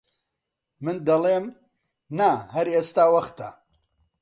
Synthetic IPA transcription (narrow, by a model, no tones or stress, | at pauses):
mɨnd̪ɐleːm | nahɐɾeːst̪aːwɐχt̪a̰